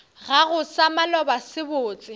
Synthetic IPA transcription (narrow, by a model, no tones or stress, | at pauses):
ɣaɣʊsamalɔbasɪboːt͡sʼɪ